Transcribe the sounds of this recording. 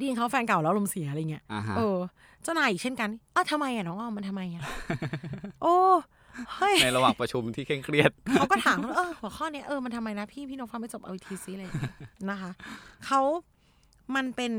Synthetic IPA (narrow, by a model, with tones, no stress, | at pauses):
di˧nkʰa˦˥wfɛː˧nka˨˩wlɛː˦˥lo˧msi˨˩˦a˧jːi˦˥ɐ˧ɦʔɤː˧ | t͡ɕa˧˩naː˧˩jʔi˨˩t͡ɕʰe˥˩nka˧nʔaː˧˩t̪ʰa˧mːa˧jʔaː˨˩nɔː˦˥ŋʔɔː˧˩ma˧nt̪ʰa˧mːa˧jʔa˨˩ | ʔoː˧ | ho˥˩jna˧ɾa˧waː˨˩ŋpɾa˧t͡ɕʰu˧mt̪ʰiː˥˩kʰe˥˩ŋkʰɾi˥˩ət̪̚kʰa˦wkɔː˥˩t̪ʰaː˨˦mkʔɤː˧hu˨˩˦kʰɔː˥˩ni˦˥ɐʔɤː˧ma˧nt̪ʰa˧mːa˧jna˦˥pʰiː˥˩pʰiː˥˩nɔː˨˦˥ŋfaː˧˩ma˥˩t͡ɕo˨˩pʔa˧wi˧˦t̪ʰiː˦˥si˦˥˧ɾa˧jːa˨˩ŋi˦˥na˦˥kʰa˦˥kʰa˦˥w | ma˧npe˧n